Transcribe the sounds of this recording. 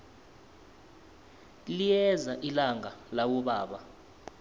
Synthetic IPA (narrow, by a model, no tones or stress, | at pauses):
lijɛzaʔilaŋalawɔɓaːɓa